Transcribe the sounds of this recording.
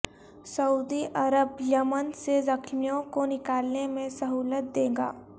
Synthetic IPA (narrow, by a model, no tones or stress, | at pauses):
sɐuːd̪iʔɐɾəbjəmənsezɐkʰmijõkonɪkaːlnemẽsɐɦuːlət̪̚d̪ẽːɡa̰ː